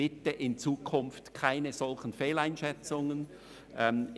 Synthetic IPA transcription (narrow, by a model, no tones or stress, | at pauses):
ɪtəʔɪnt͡suːkʰʊnftkʰaɪnəz̥ɔlxən̩feːlaɪnʃɛt͡sʊŋən | ʔɛm